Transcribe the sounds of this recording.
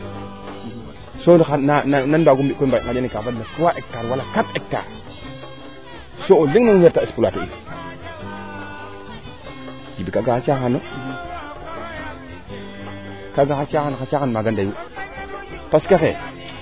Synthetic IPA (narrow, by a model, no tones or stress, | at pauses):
soxanananbaɡumbikobaŋaanikafadnakuwaʔek̚taɾwalakatek̚ta̰ɾ | sooliŋniŋheɾtaispulatuḭ | d͡ʒibikaɡaxat͡ʃaxano | kaɡaxat͡ʃaxanxat͡ʃaxanmaɡandaju | paskaxḛ